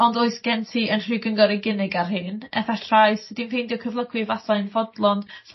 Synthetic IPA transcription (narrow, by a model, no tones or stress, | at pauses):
ɔndoɨsɡ̥ɛntʰiənr̥ɨɡəŋɡɔɾɪɡɪnɪɡarɦɨːnɛ̰fɛtʰrajsədimhɨndiɔkʰəvlˠəɡwɨvasaɨnvɔdlˠɔn